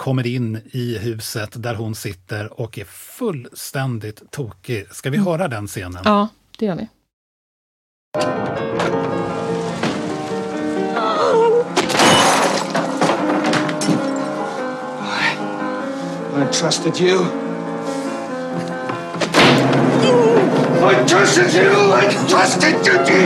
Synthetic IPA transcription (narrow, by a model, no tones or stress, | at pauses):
kʰɔmːəɾɪnːɪɦʉ̟ːsət̪d̪æɾɦʊnsɪt̪ːəɾɔkæɾfɵlːst̪ɛnd̪ɪt̪ʰːuːkɪskavɪɦœːɾad̪ɛnseːnə̰nɑː | d̪̥ɛjœːvɪ̰ | aɪ | aɪtʰɹ̥ʌstɪdju | aɪtʰɹ̥ʌstɪdjʉaɪtʰɹ̥ʌstɪd̚jəd